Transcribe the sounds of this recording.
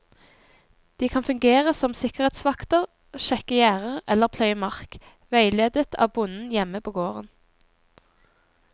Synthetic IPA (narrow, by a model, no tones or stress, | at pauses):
d̪̥iːkʰɑnfʉŋɡeːʁəsɔmsɪkəʁeːt̪sʋɑkt̪əʁ | ʃɛkəjæːʁəʁɛləʁpʰlœʏəmɑʁk | ʋæɪleːd̪ət̪ʰɑ̰ːʋbʊnn̩jɛməpʰoːɡoːʁən